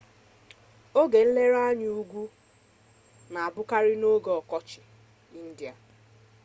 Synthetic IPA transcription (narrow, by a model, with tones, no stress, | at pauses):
o˦ɡe˨n̩˦le˦ɾa˦ɲ˦u˦ɡʷu˦ | na˨a˨bʊ˦ka˦ɾɪ˦no˦ɡɔ˨ɔ˨kɔ˦t͡ʃɪ˨ | i˦n̩˦di˨a˨